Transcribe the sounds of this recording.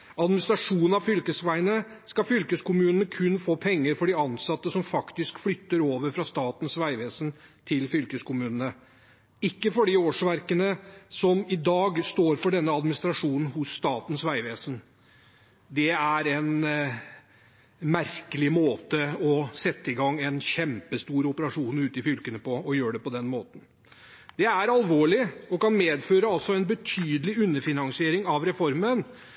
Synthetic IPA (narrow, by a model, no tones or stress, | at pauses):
ɑd̪mɪnɪst̪ɾɑʂuːnn̩ɑʋfʏlkəsʋæɪnəskɑfʏlkəskʊmʉːnənəkʰʉnfoːpʰɛŋːəɾfɔɖɪɑnsɑt̪ːəsɔmfɑkt̪ɪskflʏt̪ːəɾoːʋəɾfɾɑst̪ɑːt̪n̩sʋæɪʋeːsənt̪ʰɪlfʏlkəskʊmʉːnənə | ɪkːəfɔɖɪoːʂʋæɾkənəsɔmɪd̪ɑːɡst̪oːɾfɔɖɛnːəɑd̪mɪnɪst̪ɾɑʂuːnn̩hʊsːt̪ɑːt̪n̩sʋæɪʋeːsən | d̪ɛæɾɛn | mæɾkəlɪmoːt̪əɔsɛt̪ːəɪɡɑŋːɛnçɛmpəst̪uːɾʊpəɾɑʂuːnʉːt̪ɪfʏlkənəpɔɔjøːɖɛpɔd̪ɛnmoːt̪n̩ | d̪̥ɛæɾɑlʋoːɭɪɔkɑnmeːd̪føːɾəɑlsɔɛnbət̪ʰyːd̪əlɪʉnːəfɪnɑŋsɪeːɾɪŋɑʋɾɛfɔɾmən